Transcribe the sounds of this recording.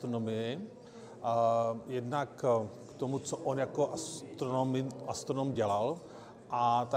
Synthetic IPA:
t̪ɾonomɪjɛ | jɛdnakkt̪omut͡soʔonjakoʔst̪ɾonomɪast̪ɾonomɟɛlal | ʔat̪a

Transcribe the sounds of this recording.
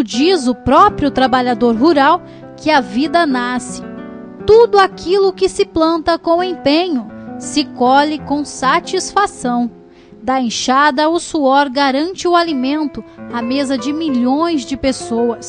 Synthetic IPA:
d͡ʒizʊpɾɔpɾiʊt̪ɾabaʎad̪oɾɦuɾaw | kɪɐvid̪ɐnasɪ̥ | t̪ud̪ʊakilʊkɪsɪplɐ̃nt̪ɐkõw̃ẽpẽɲʊsɪkɔlɪkõw̃sat͡ʃisfasɐ̃w̃ | d̪aẽʃad̪ɐʊsuɔɾɡaɾɐ̃nt͡ʃɪʊalimẽnt̪ʊamezɐd͡ʒɪmiʎõj̃zd͡ʒɪpesowɐs

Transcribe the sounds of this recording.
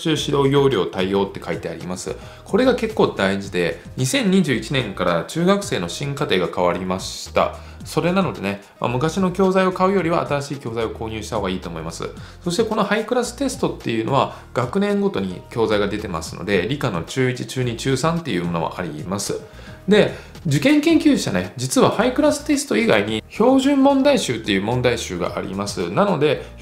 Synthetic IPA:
t͡ɕɨːɕid̪o̞ːjʲo̞ːɾʲo̞ːt̪aijo̞ːt̪ːe̞̥kait̪e̞aɾʲḭmasɨ̰ | kʰo̞ɾe̞ɡake̞kːo̞ːd̪aiʑid̪e̞ | ɲ̟isẽ̞ɲ̟ːiʑɨːit͡ɕinẽ̞ŋkaɾat͡ɕɨːɡakɯ̟̥se̞ːno̞ɕĩŋkat̪e̞ːɡakaβaɾʲimaɕi̥t̪a̰ | so̞ɾe̞nano̞d̪e̞̰ne̞ | ma̰mɯ̟kaɕino̞kʲo̞ːzaio̞kaɯ̟jo̞ɾʲiβa̰a̰t̪aɾaɕiːkʲo̞ːzaio̞ko̞ːɲ̟ʲɨːɕi̥t̪aho̞ːɡaiːt̪o̞ːmo̞imasɨ̰so̞ɕ̬i̥t̪e̞ko̞no̞haikɯ̟ɾasɨ̥t̪e̞sɨ̥t̪o̞t̪ːe̞jɯ̟ːno̞β̞a | ɡ̥akɯ̟nẽ̞ŋɡo̞t̪o̞ɲ̟ḭkʲo̞ːzaiɡad̪e̞t̪e̞ma̰sɨno̞̰d̪e̞ɾʲikano̞t͡ɕɨːit͡ɕi̥t͡ɕɨːɲ̟it͡ɕɨːsãnt̪ːe̞jɯ̟ːmo̞no̞βa̰ʔa̰ɾʲḭmasɨ | d̪e̞ | d͡ʑɨkẽ̞ŋkẽ̞ŋkʲɨ̥ːɕa̰ned͡ʑit͡sɨβahaikɯ̟ɾasɨ̥t̪e̞sɨ̥t̪o̞iɡa̰iɲ̟iço̞ːʑɨ̃mːõ̞nd̪aiɕɨːt̪ːe̞jɯ̟ːmõ̞nd̪aiɕɨːɡa̰ʔa̰ɾʲʔḭmasɨnano̞d̪e̞

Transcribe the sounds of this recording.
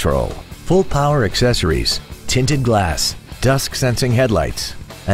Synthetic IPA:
ɹo̰ʊlˠfʊlˠpʰaʊə˞ɨksɛsə˞ḭz̥tʰɪ̃ntɨd̚ɡlæsd̥ʌsksɛ̃nsɪ̃ŋɦɛdˡla̰ɪts | ɨ̃

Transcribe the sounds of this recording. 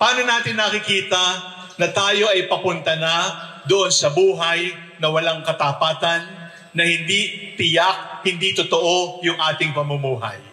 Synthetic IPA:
paːno̞naːt̪ɪnːɐkɪkiːt̪ɐ | nɐt̪aːjo̞ʔɐjpɐpʊnt̪ɐna | d̪oʔonsɐbuːɦɐj | nɐwɐlaŋkɐt̪ɐpaːt̪ɐnː | ɐhɪnd̪it̪ɪjak̚hɪnd̪it̪ot̪oʔo̞jʊŋʔaːt̪ɪŋpɐmʊmuːɦɐ̰j

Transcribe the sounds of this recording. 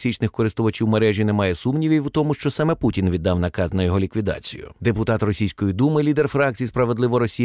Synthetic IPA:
sʲit͡ʃnɪxkɔɾɪst̪ʊʋɐt͡ʃʲiwmeɾɛʒʲinɛmɑjɛsumnʲiʋʲiʋut̪ɔmʊʃt͡ʃɔsɑmɛputʲinʋʲid̪ːɑwnɐkɑznɐjɔɦɔlʲikʋʲid̪ɑ̰t͡sʲijʊ̰d̪epʊt̪ɑt̪rɔsʲijsʲkɔjid̪umɪlʲid̪erfɾɑk̚t͡sʲijispɾɐʋe̞d̪lˠɪʋɔɾɔsʲij

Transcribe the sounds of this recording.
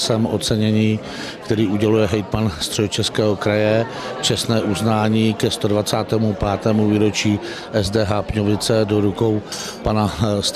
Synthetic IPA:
sɛmʔo̰t̪t͡sɛɲɛɲiː | kt̪ɛɾiːʔuɟɛlujɛɦɛjt̪manst̪r̥ɛot͡ʃɛskɛːɦokɾajɛ | t͡ʃɛst̪nɛːʔuznaːɲiːkɛst̪o̞dvat͡saːt̪ɛːmupaːt̪ɛːmuviːɾo̞t͡ʃiː | ʔɛzdɛːɦaːpɲovɪt͡sɛdoɾukowpanas

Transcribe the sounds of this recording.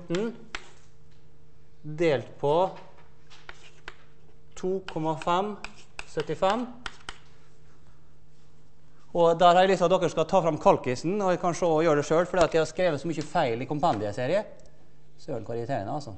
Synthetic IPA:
ʈɳ̩ | d̪eːlt̪pʰɔ | t̪ʰuːkʰɔmɑfɛm | sœt̪ːɪfɛm | ɔd̪æɾhɑɾlɪsɑd̪ɔkːəʂkɑt̪ʰɑːfɾɑmkʰɑlkɪsnɔkʰɑnʂoːɔjøːɖɛʂøːlfɔɖiːɑt̪jæɪhɑskɾeːʋət̪sɔmʏçəfæɪlɪkʊmpɑnd̪ɪəseːɾɪə | søːɳkʋɑɾɪɪt̪ʰeːɾɪnəɑlsɔ

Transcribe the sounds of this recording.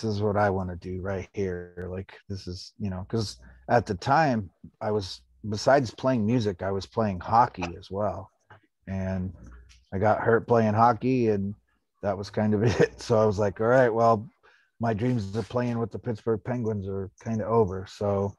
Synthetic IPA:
sɨzwʌɾaɪwɑ̃nɨdɨɹaɪt̚hiɹlaɪkðɪsɨz̥jɨñoʊkʰʌzɨt̪̚ðɨtʰãɪ̃maɪwʌz | bəsaɪdz̥pʰl̥eɪɪ̃ŋmjʉzɨkaɪwʌz̥pʰl̥eɪɪ̃ŋhɑkiɨzwɛlˠ | ɨ̃n | aɪɡɑt̚hɜ˞t̚pʰl̥eɪɪ̃ŋɦɑkiɨ̃n | ðɨt̚wʌz̥kʰãɪ̃ndʌvɪt̚soʊaɪwʌzlaɪkɑɹaɪt̚wɛlˠ | maɪdɹĩmzə˞pʰl̥eɪɪ̃ŋwəðəpʰɪtsb̥ə˞ɡ̚pʰɛ̃ŋɡwɨ̃nzə˞kʰãɪ̃ndʌoʊvə˞soʊ

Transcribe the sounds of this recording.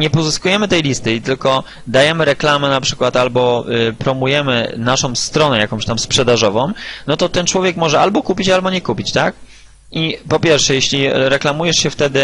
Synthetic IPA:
ɲɛpɔzɨskujɛmɘt̪ɛjlʲist̪ɘit̪ɘlkɔ | d̪ajɛmɘɾɛklamɛnapʂɘ̥kwat̪albɔpɾɔmujɛmɘ̰naʂɔ̃w̃st̪ɾɔnɛjakɔ̃mɕt̪amspʂɛd̪aʐɔvɔ̃mnɔt̪ɔt̪ɛnt͡ʂwɔvʲjɛkmɔʐɛalbɔkupʲit͡ɕalbɔɲɛkupʲit͡ɕt̪ak̚ | ʔipɔpʲjɛɾfʂɛjɛɕlʲiɾɛklamujɛʂɕɛft̪ɛd̪ɘ

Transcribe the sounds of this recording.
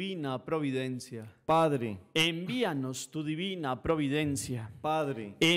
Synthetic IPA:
inapɾoβiðenθjapaðɾḛembianost̪uðiβinapɾoβiðensjapaðɾḛe

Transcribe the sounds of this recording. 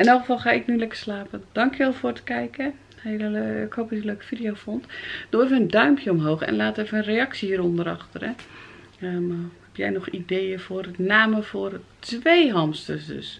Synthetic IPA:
ɛnɔlˠxəfɑlˠxaːɪknylɛkə̥slaːpəd̥ɑŋkjəʋɛlˠfoːrtə̥kɛjkə | heəɪkhoːpisəløːkə̥fidijowfɔntd̥oefəəndœɥmpʰjəɔmɦoːxɛ̰nlaːteːfənənreɑksihiːɾɔndəɾɑ̰xtəɾə | hɛpjɛ̰jnɔxidejəfʊːrnaːməfoːrtʋeːɦɑmstəsdø̰s

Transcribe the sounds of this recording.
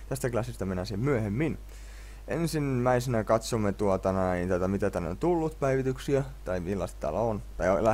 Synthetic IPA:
t̪æst̪æklɑsːist̪æmenæsiemmyæhemːin | ʔḛnsinːæisenækɑt̪somːet̪uot̪ɑnɑint̪æt̪ɑmit̪æt̪ænːo̰nt̪ulːut̪pæiʋit̪yksiæt̪ɑimilːɑst̪t̪æ̰ːlæont̪ɑiolːɑ

